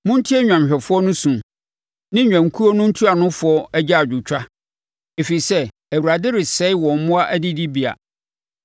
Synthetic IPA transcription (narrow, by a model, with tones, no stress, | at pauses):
mʊ̃˦n̩˦tʰi˦ɛ˦ɲᶣã˨mɕᶣɛ˨fʊ˦ɔ˦nʊ̃˦sũ˨ | nɪ̃˦ɲᶣã˨ŋ˨kʰu˦o˦nʊ̃˦n̩˦tʰu˦a˨nʊ̃˦fʊ˨˦ɔ˦æ˦d͡ʑa˦a˨d͡ʑᶣu˨t͡ɕᶣa˦ | e˨fi˨i˨sɛ˦ | æ˨wu˨ɾa˨dɪ˦ɾɪ˨sɛ˨˦wɔ̃˨m̩˨mʊ̃˦a˦ʔæ˦dɪ˦di˦bi˨a̰˨